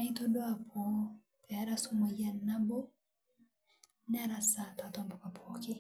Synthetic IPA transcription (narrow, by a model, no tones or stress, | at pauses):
aitɔdɔapʰɔ | pɛaɾasumɔjanabɔ | nɛɾasatatɔmbɔkapʰɔkɪ